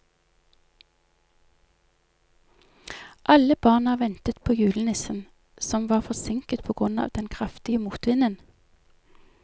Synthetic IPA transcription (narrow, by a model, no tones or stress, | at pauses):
ʔɑləb̥ɑːʁnɑʋɛnt̪ət̪pʰoːjʉːlənɪsən | sɔmʋɑːfɔsɪŋkət̪̚pʰoːɡ̥ʁʉnɑ̰ːʋd̪ɛnkʰʁɑft̪ɪəmuːt̪ʋɪnən